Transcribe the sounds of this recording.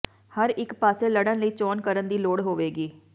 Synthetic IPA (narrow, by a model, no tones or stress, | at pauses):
həɾɪkpaːseːləɽənləiːt͡ʃɔːnkəɾənd̪iːloːɽɦoːʋeːɡiː